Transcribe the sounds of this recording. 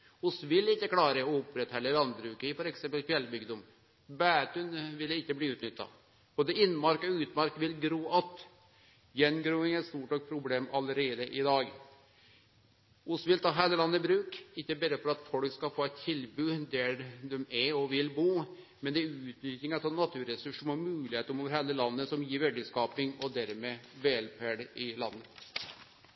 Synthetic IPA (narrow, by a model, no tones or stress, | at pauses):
ʊsʋɪlɪkːəklɑːɾəɔʊpɾɛt̪hɛlːəlɑnbɾʉːkəɪfɔɾɛksɛmpəlkʰʋɛlːbʏɡd̪ɔm | bæːt̪ʉnʋɪlːɪkːəbliːʉːt̪nʏt̪ːɑ̰ | b̥oːd̪əɪnːmɑɾkɔʉːt̪mɑɾkʋɪlɡɾuːʔɑt̪ | jɛnɡɾuːɪŋæst̪uːʈɔk̚pʰɾʊbleːmɑləɾeːd̪əʔɪd̪ɑːɡ | ʔʊsʋɪlt̪ʰɑːɦæːləlɑnːəbɾʉːkɪkːəbæɾəfɔɾɑt̪fɔlkskɑfoːɛt̪ʰːɪlbʉːd̪æd̪ɛmæɔʋɪlbuː | mɛnd̪ɛæɾʉːt̪nʏt̪ɪŋɑt̪ʰɑnːɑt̪ʰʉːɾɛsʉʂmɔmʉːlɪheːt̪əɾmoːʋəɾheːlːəlɑnːəsɔmjiːɾʋɛɖəskɑːpɪŋɔd̪æɾmeːʋeːlpʰæɖəɪlɑ̰nːə